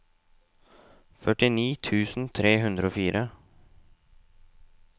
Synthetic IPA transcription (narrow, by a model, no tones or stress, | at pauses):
fœʈɪniːt̪ʰʉːsn̩t̪ʰɾeːɦʉnd̪ɾəoːfiːɾʔə